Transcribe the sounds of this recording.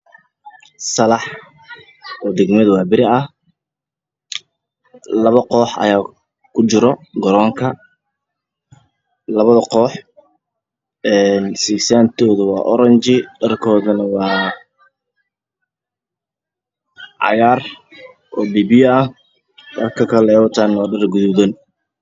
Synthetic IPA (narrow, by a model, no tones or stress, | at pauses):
sɐlɑħ | ɔːd̪ɛɡmɐðɐwɑːbɪɾɪɐh | lɐβɐqɔːħɐ̰jaː | kʰʊt͡ʃɪɾɔɡɔɾɔːŋkʰɐ | lɐβɐðɐqɔːħ | ɛːnsɪsaːnt̪ʰɔːðʊwɑ̰ːʔɔɾɐɲt͡ʃɪɖɐrkʰɔːðɐnɐwɑː | ʕɑ̰jaːr | ʔɔːbiːbiːɐh | ɖɐrkʰɐkʰɐlɛɔt̪ʰaːnaɖɐrɡʊðʊðɐn